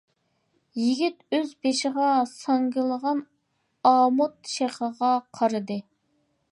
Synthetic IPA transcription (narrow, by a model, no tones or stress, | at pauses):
jiɡʲit̪øzbeʃɪʁɑsɑŋɡʲɪlˠəʁɑn | ɑːmʊt̪̚ʃeχəʁɑqʰɑɾɨd̪ɨ